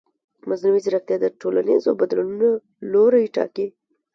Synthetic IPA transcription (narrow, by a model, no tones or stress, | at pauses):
maznawizɾax̚t̪jɑd̪əʈolanizobad̪lanuna | loɾajʈɑ̰ki